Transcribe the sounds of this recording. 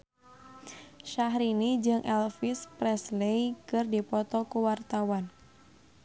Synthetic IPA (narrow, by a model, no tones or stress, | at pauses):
ʃaɦɾinid͡ʒɨŋʔɛlfispɾɛslekɨrdipɔt̪ɔkuwart̪awan